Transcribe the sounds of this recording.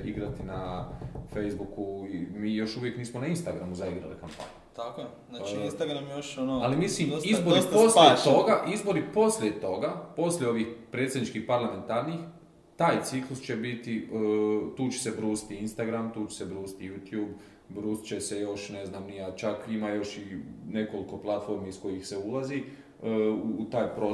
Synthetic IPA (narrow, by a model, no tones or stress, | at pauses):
iɡɾat̪inafejzbukuimiːjo̞ʃuʋje̞kniːsmonainst̪aɡɾamuzaiɡɾa̰lḭkampa̰ːɲu̥t̪akoe | ainst̪aɡɾamjjoʃonoalimisliːmizboɾiposljet̪oɡaʔizbo̞ɾipo̞slʲjet̪o̞ɡapo̞sljeo̞ʋiːxpɾet̪sʲjed̪nit͡ʃkihpaɾlˠame̞nt̪aɾniːx | t̪aːjt̪siklust͡ʃe̞bit̪i | t̪uːt͡ɕe̥se̞bɾuːsi̥t̪iinst̪aɡɾamt̪uːt͡ʃese̞bɾuːsi̥t̪ijuːt̪juːb | bɾuːst͡ɕe̞se̞jo̞ʃne̞znaːmnijat͡ʃakimajo̞ʃine̞ko̞liko̞plˠat̪fo̞ɾmisko̞jixse̞ulˠazi | uːt̪aːjpɾo